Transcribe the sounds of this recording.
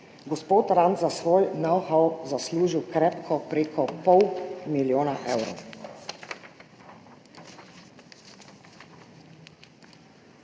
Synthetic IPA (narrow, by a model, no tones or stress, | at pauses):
ɡɔspoːt̪ɾant̪zasʋoːjnɔwxawzasluːʒiwkɾɛːpkʰɔpɾeːkʰɔpɔwmiljoːnaʔewɾɔ̰w